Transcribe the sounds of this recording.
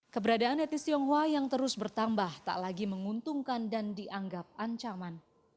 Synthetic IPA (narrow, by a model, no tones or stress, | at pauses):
kəbəɾadaanɛt̪nisiɔŋɦuajaŋt̪əɾʊsbərt̪ambaht̪a̰ʔlaɡiməŋunt̪uŋkandandiʔaŋɡap̚aɲt͡ʃaman